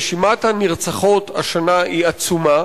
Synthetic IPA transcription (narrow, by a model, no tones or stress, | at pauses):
ʃimat̪haniʁt͡saχo̞t̪a̰ʃanaʔiat͡suma